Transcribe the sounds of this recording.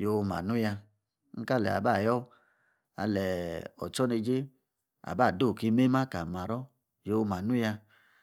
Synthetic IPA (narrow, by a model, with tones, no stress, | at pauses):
jo˧ma̰˨nu˦ja˧ | ŋ̩˦ka˦lɛ̰˨a̰˨ba˦˨jɔ˦ | a̰˧lɛ˨ɔ̰˨t͡ʃɔ˦ne˧d͡ʒe˦ | a̰˨ba˦˨do˦˨ke˧˦me˦ma˦ka˨ma˨ɾɔ˦ | jo˧ma˨nu˦ja˧